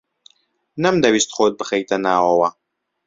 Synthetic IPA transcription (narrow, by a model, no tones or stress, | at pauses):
nɐmd̪ɐwist̪χoːt̪̚bɨxɐjt̪ɐnaːwɐwɐ